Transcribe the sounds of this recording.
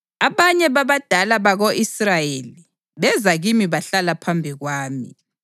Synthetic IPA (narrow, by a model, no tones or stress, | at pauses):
aβaɲɛβaβad̥ʱalaβaɣoʔisrajeːli | βɛzaɣimiβaɬalapʰambʱiɣwaːmḭ